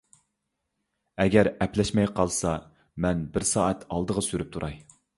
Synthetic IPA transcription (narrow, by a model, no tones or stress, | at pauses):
ɛɡʲɛɾɛplɛʃmɛjqʰɑlˠsɑ | mɛnbɪɾsɑːɛt̪ʰɑlˠd̪əʁɑsyɾyp̚t̪ʰuɾʔɑj